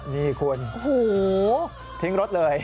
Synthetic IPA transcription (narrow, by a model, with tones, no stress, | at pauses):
miː˧kʰu˧ənʔo˧hoː˩˦ | t̪ʰi˦˥ŋɾo˦˥t̪̚lɤː˧j